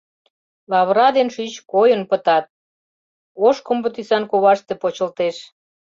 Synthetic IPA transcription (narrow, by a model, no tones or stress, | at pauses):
lɑβɾɑd̪enʃyt͡ɕkojənpət̪ɑt̪̚ | oʃkombət̪isɑnkoβɑʃt̪epot͡ɕə̆lt̪eʃ